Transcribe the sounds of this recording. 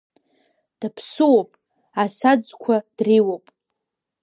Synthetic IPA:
d̥apʰsɨwopʼ | asad͡zkʷʰad̥riwopʼ

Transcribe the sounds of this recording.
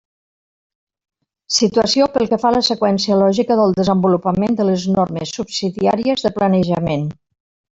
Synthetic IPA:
sit̪uəsiopəlˠkəfaləsəkwɛnsiəlɔʒikəðəlˠd̪əzəmbulupəmend̪ələznorməsːupsiðia̰ɾiəzðəplənəʒəmen

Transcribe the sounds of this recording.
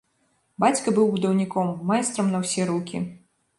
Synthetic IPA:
bat͡sʲkɐbɨwbud̪ɐwnʲikɔmːajst̪ɾɐmnɐwsʲɛɾukʲḭ

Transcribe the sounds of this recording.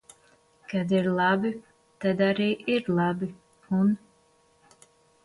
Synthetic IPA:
kad̪iɾlˠabi | t̪ad̪aɾiːʔiɾlˠabi | un

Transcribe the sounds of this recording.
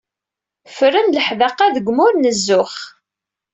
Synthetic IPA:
fəɾənləħðɑqːɑðəɡʷmʊɾnəzːʊχ

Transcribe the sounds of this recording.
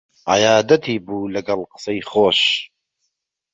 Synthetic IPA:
a̰jaːd̪ɐt̪ʰiːbuːlɐɡɐlqɨ̥sɐjχoːʃ

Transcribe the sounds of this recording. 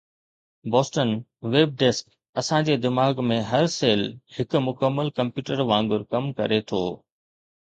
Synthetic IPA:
bɔːsʈənʋeːb̚ɖeːsk | ɐsãd͡ʑeːd̪ɪmaːɡmẽɦɐɾseːlhɪkʊmʊkəmːəlkɐ̃mpjuːʈəɾʋãːŋɡʊɾkɐmkɐ̰ɾet̪ʰoː

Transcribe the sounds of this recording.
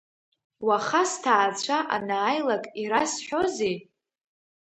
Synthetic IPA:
waχastʰaːt͡ɕʷʰaʔa̰naːjlakʼiɾasħʷᶣo̞zi

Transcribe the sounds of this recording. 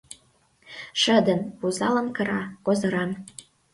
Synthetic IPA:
ʃə̆d̪ənpuzɑlə̆nkə̆ɾɑkozɤ̆ɾɑn

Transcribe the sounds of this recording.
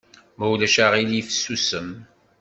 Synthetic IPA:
mæwlæʃaʁilifə̥sːusəm

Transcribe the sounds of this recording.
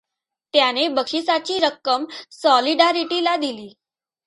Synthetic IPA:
t̪janebəkʂisat͡ɕiːɾəkːəmsɔliɖaɾiʈilad̪iliː

